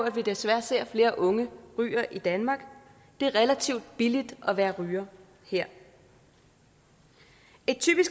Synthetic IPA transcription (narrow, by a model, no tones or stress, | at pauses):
æd̥ʋid̥esʋæɐse̝ɐ̰fle̝ːɐʔɔ̽ŋəʁy̰ːɐʔid̥ænmɑ̈ɡ̥ | d̥e̝ɐʁɛlæt͡sʰiʊ̰d̥b̥ilid̥ɒ̽ʋæːɐʁyːɐ | heɐ̰ | e̝d̥̚t͡sʰy̰ːb̥isɡ̥